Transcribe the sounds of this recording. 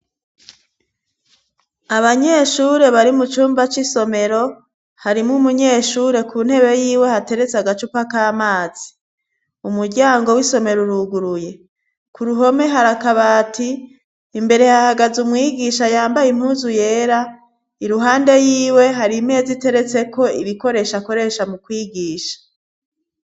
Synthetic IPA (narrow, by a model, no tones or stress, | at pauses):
aβaɲe̞ːʃuːɾe̞βaɾimut͡ʃuːmbat͡ʃiso̞me̞ɾo̞ | haɾimŋumuɲe̞ːʃuːɾe̞kʰuːn̥he̞βe̞jiːwe̞hate̞ɾe̞t͡seaɡat͡ʃupakaːmaːz̥i | umuɾɟaːŋɡo̞wiso̞me̞ɾuɾuɡuɾuje̞ | kuɾuɦo̞me̞ɦaɾakaβaːtʰiː | mbe̞ɾe̞hahaɡazumŋiːɡiʃajaːmbajim̥huːzuje̞ːɾa | iɾuɦaːnde̞jiːwe̞ɦaɾime̞ːzite̞ɾe̞t͡se̞ko̞iβiko̞ɾe̞ʃako̞ɾe̞ʃamukwiːɡiːʃḁ